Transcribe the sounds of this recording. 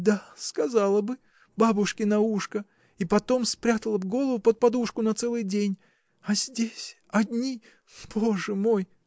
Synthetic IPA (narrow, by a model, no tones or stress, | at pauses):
d̪askɐzalˠəbɨ | babʊʂkʲɪnɐuʂkə | ipɐt̪o̞mspɾʲat̪əlˠəvɡo̞lˠəvʊpət̪̚pɐd̪uʂkʊnɐt̪sɛlˠɨjdʲenʲ | ɐzʲdʲesʲ | ɐd̪ʲnʲi | b̥o̞ʐɨmo̞j